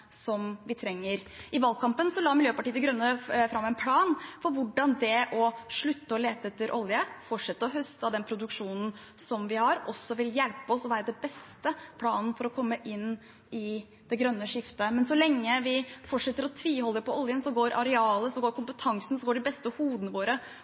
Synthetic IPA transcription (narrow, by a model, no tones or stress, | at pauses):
sɔmʋɪt̪ʰɾɛŋːəɾɪʋɑlkʰɑmpənsɔlɑːmɪljøːpɑʈiːəd̪ɛɡɾœnːəfɾɑmːɛnpʰlɑːnfɔɾʋʊɖɑnd̪ɛɔʂɭʉt̪ːəɔleːt̪əɛt̪ːəɾʔɔljəfɔʈʂɛt̪ːəɔɦœst̪əd̪ɛnpʰɾʊd̪ʉkʂuːnn̩ | sɔmʋɪhɑɾʔɔsːɔʋɪljɛlpəɔsɔʋæːɾəd̪ɛbɛst̪əpʰlɑːnən̩fɔɾɔkʰɔmːəʔɪn | ɪ | d̪̥ɛɡɾœnːəʂɪft̪əmɛnsɔlɛŋːəʋɪfɔʈʂɛt̪ːəɾɔt̪ʰʋiːhɔlːəɾpʰɔɔljənsɔɡoːɾʔɑɾɛɑːləsɔɡoːɾkʰʊmpət̪ʰɑŋsn̩sɔɡoːɖɪbɛst̪əhuːd̪ənəʋoːɾə